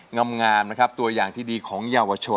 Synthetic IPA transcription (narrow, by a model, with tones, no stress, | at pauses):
ŋa˧mŋaː˧mna˦˥kʰɾa˦˥p̚t̪u˧ɐjaː˨˩ŋt̪ʰiː˥˩diː˧kʰɔː˩˦ŋjaː˧wa˧t͡ɕʰo˧